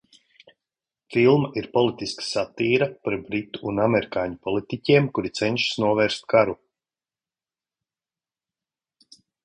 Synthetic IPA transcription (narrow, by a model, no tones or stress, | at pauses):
filˠmaʔiɾpɔlˠit̪iskḁsat̪iːɾapaɾbɾit̪u̥ːnamɛɾikaːɲupɔlˠit̪icʲiɛmkuɾit̪sɛnʃsnuɔvɛːɾst̪̚kaɾu